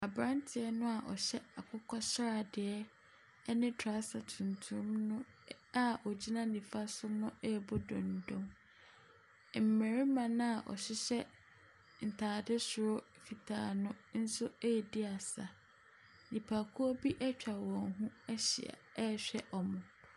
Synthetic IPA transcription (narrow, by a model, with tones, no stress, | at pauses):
a˨bɾã˦ntʰɪ˨ɛ˦nʊ̃˦a˨ʔɔ̰˨ɕɛ˦a˨kʰʊ˦kʰɔ˦ɕɾa˨dɪ˨ɛ˦ | nɪ̃˦tʰa˦sa˨tʰũ˨ntʰũ˨˦mnʊ̃˦ | a˨ɔ˨d͡ʑi˦nã˦nĩ˨fa˦sʊ˦nʊ̃˦ɛ˦˨bɔ˦dɔ̃˨n˨dɔ̃˦ŋ | m̩˨mɛ̃˨ɾi˦mã˨nã˦a˨ʔɔ̰˨ɕɪ˦ɕɛ˦ | n̩˨tʰaː˨dɪ˦sʊ˨ɾʊ˦ | fi˨tʰa̰ː˨nʊ̃˦n̩˦sʊ˦e˦jɛ˨di˦a˨sa˨ | nĩ˨pʰa˨kʰu˦ɔ˦bi˦ʔɛ˦t͡ɕᶣa˨wɔ̃˨ŋɦũ˦ɛ˦ɕḭ˨a̰˨˦˨ɕᶣɛ˦ʔɔ˨mʊ̃˨